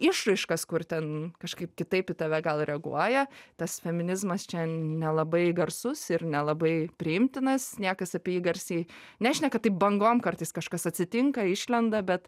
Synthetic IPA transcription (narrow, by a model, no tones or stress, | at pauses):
ɪʃrɐɪʃkɐskʊrt̪ʲɛnkɐʃkɐɪpkʲɪt̪ɐɪpɪt̪ɐʋʲɛɡɐlˠɾʲɛɐɡṵɔjɛt̪ɐsfʲɛmʲɪnʲɪzmɐst͡ʃʲɛnʲɛlˠɐbɐɪɡɐrsʊsɪɾnʲɛlˠɐbɐɪpʲɾʲɪɪmʲt̪ʲɪnɐsnʲiɛkɐsɐpʲiɛjiːɡɐɾʲsʲi | nʲæːʒʲɪnʲɛkɐt̪t̪ːɐɪp̚bɐŋɡoːmkɐrt̪ɐɪskɐʃkɐsɐt̪ʲsʲɪt̪ʲɪŋkɐɪʃʲlʲɛnd̪ɐbʲɛt̪